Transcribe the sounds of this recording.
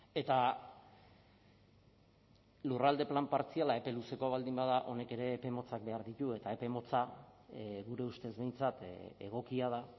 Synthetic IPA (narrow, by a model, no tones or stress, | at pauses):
e̞t̪a | lurald̪e̞plampaɾt͡sialae̞pe̞luse̞ko̞β̞ald̪imbaðaʔo̞ne̞ke̞ɾe̞ːpe̞mo̞t͡sak̚be̞aɾðit̪ue̞t̪ae̞pe̞mo̞t͡sa | ɣuɾe̞ust̪e̞zβe̞jnt͡sat̪eɣ̞o̞kiað̞a